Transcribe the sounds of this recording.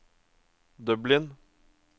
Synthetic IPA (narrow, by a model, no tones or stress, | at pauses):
d̪œblɪn